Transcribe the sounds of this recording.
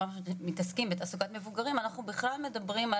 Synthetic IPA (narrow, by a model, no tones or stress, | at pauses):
aaʃmit̪askimbetasuɡat̪me̞vuɡaʁimanaχnubiχlalme̞d̪abʁima